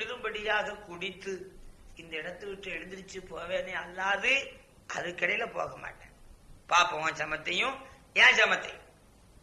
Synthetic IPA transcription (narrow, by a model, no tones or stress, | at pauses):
kʊɽɪɾɯmbɐɽɪjaːɣɐkʊɽɪt̪ːɯɪnd̪ɐɪɽɐt̪ːɯʋɪʈrɐɛɽɯnd̪ɪɾt͡ʃːɯpoːʋeːneːɐlːaːðɯ | ʔɐ̰ðɯkːɪɽɐjɪlɐpo̰ːɣɐma̰ːʈːẽːpaːpɐʋãːd͡ʒɐmɐt̪ːɐjʊ̃ | jãːd͡ʒɐmɐt̪ːɐ̰jʊ̃